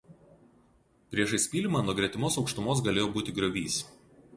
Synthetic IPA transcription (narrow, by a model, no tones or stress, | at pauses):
pʲɾʲiɛʃɐɪsʲpʲiːlʲɪmɑːnuɔɡɾʲɛt̪ʲɪmoːsɒʊkʃt̪ʊmoːs̬ɡɐlʲeːjoːbuːt̪ʲɪɡɾʲɔʋʲiːs